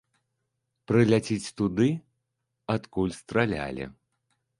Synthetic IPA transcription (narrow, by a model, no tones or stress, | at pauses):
pɾɨlʲat͡sʲit͡sʲt̪ud̪ɨ | at̪kulʲst̪ɾalʲa̰lʲḭ